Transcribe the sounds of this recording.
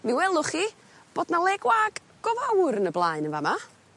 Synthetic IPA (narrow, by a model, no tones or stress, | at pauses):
miwɛlˠʊχi | b̥oːdnalˠɛɡwaɡ | ɡ̥ɔvawɾnəblˠaɨnəvama